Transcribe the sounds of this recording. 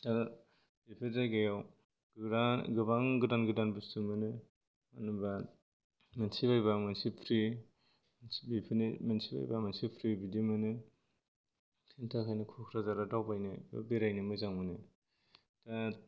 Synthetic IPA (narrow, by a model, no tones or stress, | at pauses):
ta | b̥ipʰiɾdaɡajaw | ɡɾaɡɯbaŋɡɯdanɡɯdanbɯstumɯnɯ | anuba | mansibajbamansipʰɾi | bipʰinimansiba̰jba̰mansipʰɾibidimɯnɯ | sʰintʰakʰajnɯkʰukʰɾazaɾadawbajnɯ̰biɾajnɯmɯzaŋmɯnɯ | ta